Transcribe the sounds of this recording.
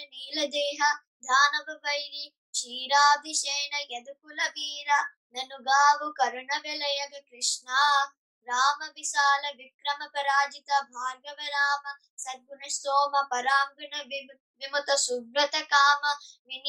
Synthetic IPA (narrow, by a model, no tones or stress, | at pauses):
niːlɐd̪eːɦɐ | d̪ʱaːnɐbʱɐʋɐjni | ʃiːɾaːd̪ʱiʃeːɳɐjɐd̪ukulɐʋiːɾɐ | nɐnuɡaːʋukɐɾɐɳɐʋelɐjɐɡɐkɾɪʂɳaː | ɾaːmɐʋiʃaːlɐʋikɾɐmɐpɐɾaːd͡ʒit̪ɐbʱaːɾɡɐʋɐɾaːmɐ | sɐɾɡunɐʃt̪oːmɐpɐɾaːŋɡɐɳɐ | ʋimut̪ɐsubɾɐt̪ɐkaːmɐʋin